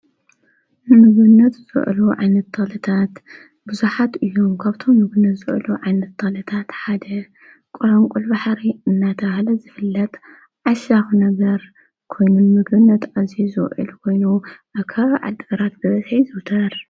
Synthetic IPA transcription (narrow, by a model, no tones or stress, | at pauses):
nɨmɨɡβɨnːɐt̪zɨ̰ʔluʕa̰jnɐt̪ːʰɨxlɨt̪ʰat̪ | bɨzuħat̪ɨjːomkʰaβt̪ʰo̞mːɨɡɨnːɐt̪zɨʔluʕajnɐt̪ːʰɨxlɨt̪ʰat̪ħad̪ɐ | kʼoɾɐŋkʼulbaħɾiɨnːat̪ʰɐβhlɐzɨfɨlːɐt̪ʼ | ʕaʃaxunɐɡɐɾ | kʰo̞jnunmɨɡβɨnːɐt̪azizɨxʔɨ̰lkʰo̞jnuʔakʰɐβʕa̰d̪ːɨɡɐɾat̪bɐzɐzħɐjzɨwt̪ʰɐɾ